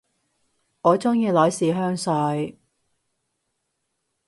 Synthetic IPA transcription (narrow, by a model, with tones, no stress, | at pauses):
ŋɔː˨˧t͡sʊ˥ŋjiː˧lɔː˨˥jsiː˨ɦœː˥ŋsœ˧j